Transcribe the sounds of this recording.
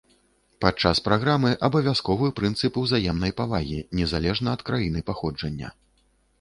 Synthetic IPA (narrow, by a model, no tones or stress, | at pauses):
pat̪̚t͡ʂaspɾaɣɾamɨʔɐbɐvʲjaskɔvɨpɾɨnt̪sɨpuwzajɛmnɐjpavaɣʲinʲɛzalʲɛʐnɐɐt̪kɾajinɨpaxɔd͡ʐɐnʲːɐ̰